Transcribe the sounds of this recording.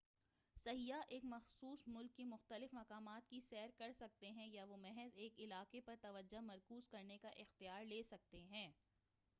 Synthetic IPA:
sɐɦijaʔeːkmɐxsuːsmʊlkːemʊxt̪əlɪfmɐqaːmaːt̪̚kisɛːɾkɐɾsɐk̚t̪eɦɛ̃jaʋomɛɦɛzeːkɪlaːqepɐɾt̪ɐʋəd͡ʒomɐɾkuːzkɐɾnekaʔɪxt̪ijaːɾleːsɐk̚t̪eɦɛ̃ː

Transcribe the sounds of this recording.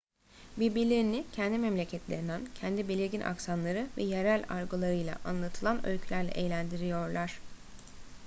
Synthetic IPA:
bibilʲiɾnicʰɛnd̪imɛmlʲecʰɛt̪lʲḛɾinæncʰɛnd̪ibelʲiɾɟinʔa̰ksanlˠaɾɯvɛjeɾælʲaɾɡɯlˠaɾɯjlˠa̰ʔanlˠat̪ʰɯlˠanølʲcʰylʲæɾlʲɛ̰ʔejlʲænd̪iɾijo̞ɾlˠaɾ̥

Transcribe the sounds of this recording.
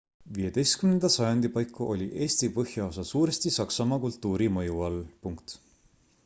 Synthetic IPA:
vije̞d̪e̞jst̪kymnend̪̥ɑsɑjɑnd̪ipɑjkːˑuʔo̞lʲiʔe̞ːst̪ipɤhjɑo̞sɑsuːɾe̞st̪isɑksɑmɑkult̪ːˑuːɾimɤjuɑlpuŋkt̪

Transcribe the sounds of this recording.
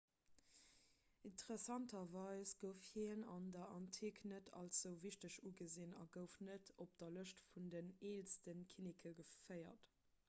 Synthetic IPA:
intəʁesɑntʰɐvɑɪsɡ̥əʊfhinɑndɐʔɑntʰiknətʰɑ̰lsz̥əʊviʃtəʃuɡəzinɑ̰ɡəʊfnətʰop̚d̥ɐləʃtfundəneːlstənkʰinikʰəɡəfɜɪɐ̰t

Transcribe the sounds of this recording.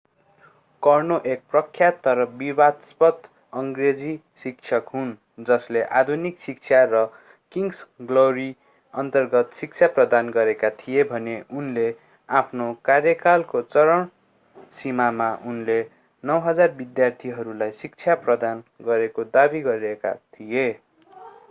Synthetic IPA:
kʌrnoʔek̚prʌkʰːjat̪ːʌɾʌbibad̪spʌt̪ | ʌŋɡred͡zi | sik̚t͡sʰʌkɦun | d͡zʌsleʔad̪ʱuniksik̚t͡sʰjarʌ | kiŋɡsɡloɾi | ʌnt̪ʌrɡʌt̪sik̚t͡sʰaprʌd̪anɡʌɾekat̪ʰijebʱʌneunle | apʰnokarjʌkalkot͡sʌɾʌɳ | simamaʔunle | nʌwɦʌd͡zarbid̪jart̪ʰiɦʌɾulajsik̚t͡sʰjaprʌd̪anɡʌɾekod̪abiɡʌɾieka̰t̪ʰije

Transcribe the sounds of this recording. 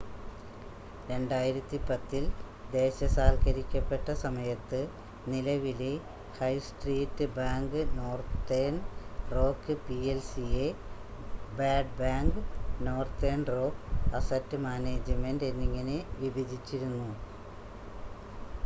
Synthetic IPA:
ɾe̞ɳɖaːjiɾɐt̪ːipɐt̪ːil | d̪e̞ːɕɐsaːlkɐɾikʲːɐpːe̞ʈːɐsɐmɐjɐt̪ːɨ | nilɐʋile | hɐjsʈriːtːɨbaːŋɡɨno̞ːrt̪enro̞ːkːɨpielsie | baːɖbaːŋɡɨno̞ːrt̪eːnro̞ːkɐsɐtːɨmaːne̞ːd͡ʑɐmende̞nːiŋːɐneʋibʱɐd͡ʑit͡ɕːiɾunːu

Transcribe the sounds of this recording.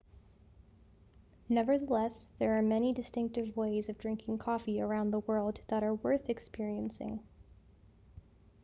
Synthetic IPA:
nɛvə˞ðəlɛsðə˞ːmɛñidɨstɪ̃ŋk̚tɨvweɪzʌvdɹɪ̃ŋkʰɪ̃ŋkʰɔfiə˞ãʊ̃nðəwɜ˞lˠd̪̚ðəɾə˞wɜ˞θɨkspɪɹiɨ̃nsɪ̰̃ŋ

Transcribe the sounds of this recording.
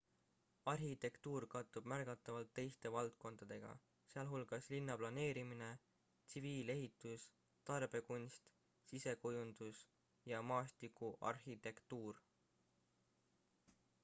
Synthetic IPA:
ɑrhit̪e̞kt̪uːɾkɑt̪ːˑub̥mærɡ̥ɑt̪ːˑɑvɑlt̪ːe̞jst̪e̞vɑlt̪̚ko̞nd̪̥ɑd̪̥e̞ɡ̥ɑ̰ | seɑlɦulɡ̥ɑslinːɑplɑne̞ːɾimine̞ | t̪siviːle̞ɦit̪ːˑus | t̪ɑrb̥e̞kunʲst̪ | sise̞kujund̪̥us | jɑmɑːst̪ikːˑuʔɑ̰rxit̪e̞kt̪uːr

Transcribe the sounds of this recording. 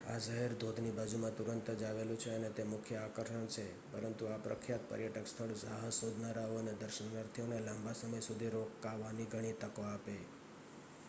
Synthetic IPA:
a̰səɦɛɾd̪ʱod̪ʱnibad͡ʒumãt̪uɾənt̪əd͡ʒaʋelũt͡ʃʰeənet̪emʊkʰjəakəɾʃəɳt͡ʃʰe | pəɾənt̪uapɾə̰kʰjat̪̚pə̰ɾjəʈəkst̪ʰəɭsa̰ɦəsod̪ʱnaɾaoəned̪əɾʃənnəɾt̪ʰionelãmbasəməjsud̪ʱiɾokːaʋːaniɡʱəɽ̃it̪əkoape

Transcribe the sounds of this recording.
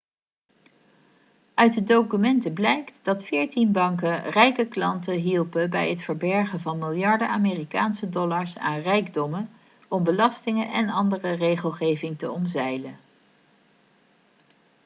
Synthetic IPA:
œɥt̚dədowkymɛntəblɛjktd̥ɑtfɪːɹtinbɑŋkərɛjkəklɑ̰ntəɦilˠpəbɛjətfəɹbɛɹχəvɑnmɪlˠjɑɹdəaːmeːrika̰ːnsədɔlɑɹsa̰ːnrɛjɡdɔmən | ɔmbəlɑstɪŋənʔɛnɑndərərejχəlˠχejvɪŋtəɔmzɛjlə

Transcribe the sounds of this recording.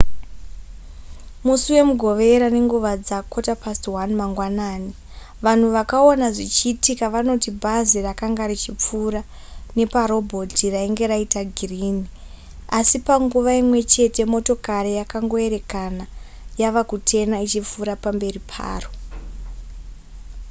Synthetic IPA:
musuwe̞muɡʱo̞ʋe̞ɾane̞ŋɡuʋad͡zako̞tapastwanmaŋɡwanaːni | ʋan̤uʋakaonaʐit͡ʃiːtikaʋano̞tibʱazirakaŋɡaɾit͡ʃip͡fuːɾa | ne̞paɾo̞bʱo̞tiraiŋɡe̞ɾaitaɡʱiriːni | asipaŋɡuʋaimwe̞t͡ʃe̞te̞mo̞to̞kaɾijakaŋɡo̞e̞ɾe̞kana | jaʋakutʰe̞nait͡ʃip͡fuɾapambe̞ripʰa̰ːro

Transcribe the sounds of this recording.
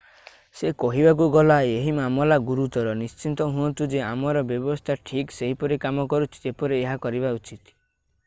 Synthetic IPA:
sekɔɦibak̬uɡɔlaeɦimamɔlaɡuɾut̪ɔɾɔnist͡ʃint̪ɔɦuɔnt̪ud͡ʒeamɔɾɔbjɔbɔst̪ʰaʈʰikseɦipɔɾekamɔkɔɾut͡ʃʰi̥epɔɾeːɦakɔɾiβaut͡ʃit̪

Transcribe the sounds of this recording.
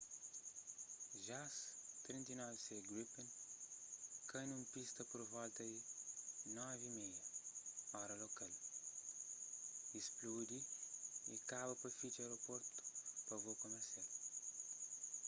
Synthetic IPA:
ʒast̪ɾĩnt̪inɔviseɡɾipen | kʰɐnũmpist̪ɐpoɾvɔlt̪ɐi | nɔvimejɐ | ɔɾɐlokal | isplud̪iḭkaβɐpɐfit͡ʃɐɾopoɾt̪u̥pɐvokomeɾsial

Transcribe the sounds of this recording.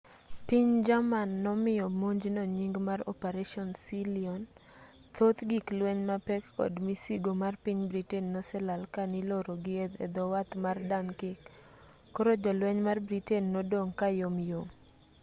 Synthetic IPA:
piɲd͡ʒamanːɔmɪjɔmoɲd͡ʒnɔɲiŋɡmarɔ̰peɾeʃɔnsiliɔn | t̪ot̪ɡiklwɛɲmapɛkɔ̰dmisiɡomarpiɲbɾitɛnːɔsɛlalkaniloɾoɡɪed̪ɛ̰d̪ɔwat̪mardankɪkː | ɔɾod͡ʒɔlwɛɲmarbɾitɛnːɔdoŋkajomjom

